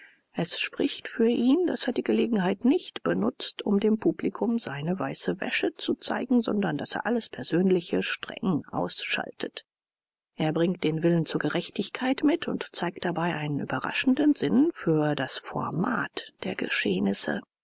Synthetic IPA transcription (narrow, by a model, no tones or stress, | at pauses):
ʔɛsʃpʁ̥ɪçtfyːɐʔiːnda̰seːɐdiːɡəleːɡŋ̩ɦaɪtnɪçtb̥ənʊt͡stʊ̰mdeːmpuːblikʰʊmzaɪnəva̰ɪsəvɛ̰ʃət͡sut͡sa̰ɪɡŋ̩zɔ̰ndɐndasḛːɐʔaləspʰɛɐzøːnlɪçəʃtʁ̥ɛ̰ŋʔa̰ʊsʃa̰ltʰət | ʔeːɐbʁɪŋt̚d̥eːnvɪlənt͡suːɐɡəʁɛçtɪçkʰaɪtmɪtʰʊ̰ntt͡saɪk̚t̚d̥abaɪʔaɪnənʔy̰ːbɐʁa̰ʃn̩dənzɪnfyːɐdasfɔ̰ɐma̰ːtd̥eːɐɡə̰ʃeːnɪsə̰